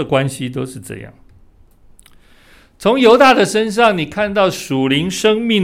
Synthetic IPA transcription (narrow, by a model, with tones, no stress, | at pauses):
kwa˦nɕi˦t̪̬o˥ʊʂɻ̩˥˧ʈ͡ʂɤ̰˥˧jɑ̰˥˩ŋ | t͡sʰo˧˦˥ŋjo˧˥ʊt̪a˥˩d̪ə˨ʂə˥nʂ̬ɑ˥˩ŋni˨˩kʰa˥˧nt̪̬ɑ˥˩ʊʂu˨˩li˧˥ŋʂɤ˥ŋmi˥˩ŋ